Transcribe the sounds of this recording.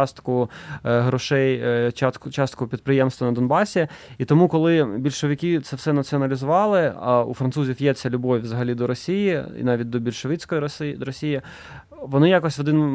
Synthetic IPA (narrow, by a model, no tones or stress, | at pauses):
st̪kʊɦɾɔʃɛj | t͡ʃɑst̪kʊpʲid̪̚pɾɪjɛmst̪ʋɐnɐd̪ɔnbɑsʲiit̪ɔmukɔlˠɪbʲilʲʃɔʋʲɪkʲit̪sɛfsɛnɐt̪t͡s̪ʲiɔnɐlʲizʊʋɑlˠɪɐṵfɾɐnsuzʲifjɛt͡sʲɐlʲʊbɔʋʲʋzɐɦɐlʲid̪ɔɾɔsʲijiḭnɑʋʲit̚ʲd̪ɔbʲilʲʃɔʋɪt͡sʲkɔjisd̪ɾɔsʲijɪ | ʋɔnɪjakɔsʲʋɔd̪ɪn